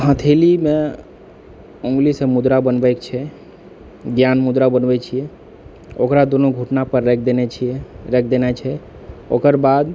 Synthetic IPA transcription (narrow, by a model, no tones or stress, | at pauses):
ɦə̃t̪ʰelimẽ | õŋɡlisẽmud̪ɾabənbəkt͡ʃʰɛ | ɡjanmud̪ɾabənʋɛt͡ʃʰie | okɾad̪onoɡʱuʈnapəɾːɛkʰd̪enɛt͡ʃʰieɾɛkʰd̪enat͡ʃʰɛ | okəɾbad̪